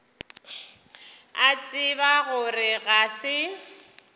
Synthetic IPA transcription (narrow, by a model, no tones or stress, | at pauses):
at͡sʼɪbaɣʊrɪɣasɪ